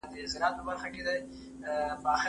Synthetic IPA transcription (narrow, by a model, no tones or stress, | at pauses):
d̪əsɪlat̪̚pəbaɾxaked̪ə | bəax